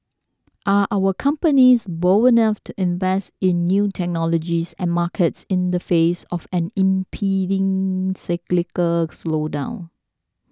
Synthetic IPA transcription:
ʔaʔaʊwəkʰʌ̃mpənisboinʌftʰuʔɪ̃nvɛstɪ̃nːjutʰɛk̚nɔlɔd͡ʒisɛ̰̃nmakʰətsɪ̃nd̪əfesɔfɛ̃nɪ̃mpʰidɪ̃ŋsɪklɪkəslodã̰ʊ̃n

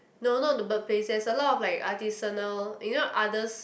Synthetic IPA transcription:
nonɔdəbək̚pʰlesɛsəlɔtɔflaɪkatisənəljinoʔadəs

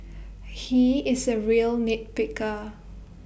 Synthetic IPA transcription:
hiɪsəɹiəlnit̚pɪkə

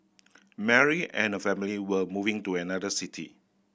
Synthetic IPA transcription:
mɛɹiɛ̃nəfɛmiliwəmuvɪ̃ŋtuɛnadəsitʰḭ

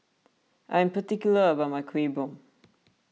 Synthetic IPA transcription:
ʔãj̃mpətikjuləəbat̚maɪkʰwibõm

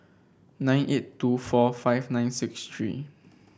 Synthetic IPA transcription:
nãj̃nʔettːufɔfaɪfnãj̃nsikst̪ɹḭ

